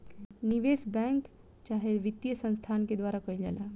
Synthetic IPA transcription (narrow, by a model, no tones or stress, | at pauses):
niʋesbɛ̃ŋk | t͡ʃaːɦeʋit̪ːjəsə̃nst̪ʰanked̪waɾakəid͡ʒa̰la